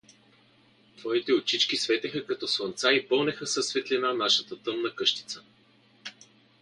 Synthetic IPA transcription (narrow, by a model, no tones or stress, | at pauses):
t̪vɔit̪ɛot͡ʃit͡ʃkisvɛt̪ɛxəkɐt̪ɔsvˠɐnt̪saipɤlˠnɛxəsɐsːvɛt̪linanaʃət̪ət̪ɤmnɐkɤʃt̪i̥t̪sə̥